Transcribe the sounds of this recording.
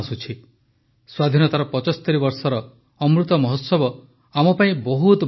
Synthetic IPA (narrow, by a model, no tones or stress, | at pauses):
sut͡ʃʰi | swad̪ʱinɔt̪aɾɔpɔt͡ʃɔst̪eɾibɔɾsɔɾɔ | ɔmɾut̪ɔmɔɦɔt̪sɔbɔ | amɔpaĩbɔɦut̪